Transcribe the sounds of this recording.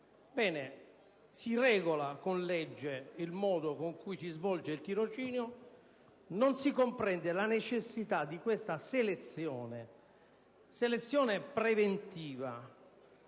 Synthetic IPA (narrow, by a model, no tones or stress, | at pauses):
bɛːne | sirɛːɡolakonlɛd͡ʒːeilmɔːd̪okoŋkujsizvɔld͡ʒeilt̪iɾot͡ʃiːnjo | nonsikompɾɛnd̪elanet͡ʃesːit̪ad̪ːikwest̪aselet̪sjɔːne | selet̪sːjɔːnepɾevent̪iːva